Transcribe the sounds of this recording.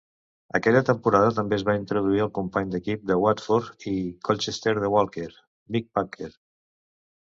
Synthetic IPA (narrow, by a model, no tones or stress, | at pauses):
əkɛʎət̪əmpuɾaðət̪əmbeəzβaint̪ɾuð̞uiəlˠkumpaɲd̪əkip̚d̪əwat̪fɔɾt̪ikɔlt͡ʃest̪eɾðəwalˠkeɾ | mik̚pakʰeɾ